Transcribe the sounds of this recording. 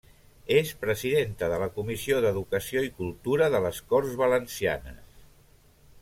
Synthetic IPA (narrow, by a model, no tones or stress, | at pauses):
espɾəziðent̪əðələkumisioðəðukəsioikulˠt̪uɾəðələskɔrzβələnsia̰nə̰s